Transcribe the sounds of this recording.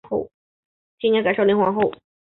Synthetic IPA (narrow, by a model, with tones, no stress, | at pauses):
xo˥˩ʊ | t͡ɕi˥nɲjɛ˥ka˨˩ʂo˥˩li˧˥ŋxwɑ˧˥xo˥˩ʊ